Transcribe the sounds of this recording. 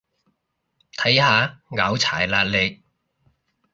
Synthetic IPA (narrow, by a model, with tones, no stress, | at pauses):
t̪ʰɐ˨˥jhaː˨˧ŋaː˨˥wt͡sʰa̰ː˨˩jlaː˧t̚le˨˧